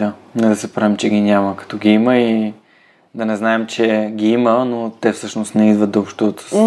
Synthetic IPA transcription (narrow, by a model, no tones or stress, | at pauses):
anɛd̪ɐsɛpɾavɛmt͡ʃɛɡʲinʲaməkɐ̥t̪ɔɡʲiiməi | d̪ɐnɛznaɛmt͡ʃɛɡʲiimənot̪ɛfsɤʃnost̪nɛid̪vət̪̚d̪ɐopʃt̪ot̪ə̥s